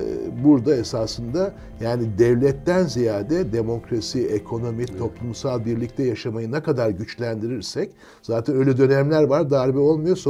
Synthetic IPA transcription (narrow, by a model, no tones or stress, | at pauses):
buɾd̪ae̞saːsɯnd̪a | jaːnid̪ɛvlʲɛt̪ːænzijaːd̪ɛd̪e̞mo̞kɾasiekʰo̞no̞mit̪ʰo̞plˠumsalˠbiɾlʲic̚t̪ʰɛjaʃamajɯnakad̪aɾɟyt͡ʃlʲænd̪iɾiɾsɛc | z̥aːt̪ʰɛnø̞jlʲɛd̪ø̞nɛmlʲæɾvaɾd̪aːɾbɛo̞lˠmujo̞s